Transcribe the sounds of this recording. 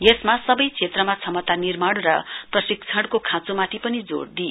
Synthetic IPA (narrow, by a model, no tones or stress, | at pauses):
jesmasʌbʌjt͡sʰet̪rʌmat͡sʰʌmʌt̪anirmaɽrʌ̰prʌsik̚t͡sʰʌɽkokʰãt͡somat̪ʰipʌnid͡zo̰ɽd̪i